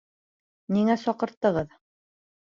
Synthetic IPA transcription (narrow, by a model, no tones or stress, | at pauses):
niŋæsɒqɤ̆ɾt̪ːɤ̆ʁɤð